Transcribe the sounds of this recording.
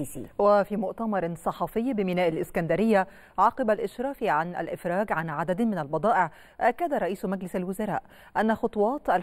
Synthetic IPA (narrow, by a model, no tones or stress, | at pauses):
ḭːwafiːmʊʔt̪amɑɾˤsˤɑħɑfɪjːbɪmɪnaːʔalʔɪskand̪aɾɪjːa | ʕɑːqɨbalʔɪʃɾɑːfiʕana̰lʔɪfɾɑːɡʕanʕad̪ad̪mɪnalbɑd̪ˤɑːʔɪʕ | ʔakːad̪aɾˤɑʔiːsmaɡlɪsalwʊzaɾˤɑ̰ːʔ | ʔanːaxʊt̪ˤuwɑːt̪ʔal